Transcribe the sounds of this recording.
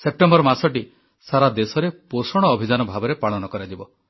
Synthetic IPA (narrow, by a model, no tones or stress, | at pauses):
sep̚ʈembɔɾmasɔʈi | saɾad̪esɔɾeposɔɽ̃ɔːbʱid͡ʒanɔbʱabɔɾepaɭɔnɔkɔɾad͡ʒibɔ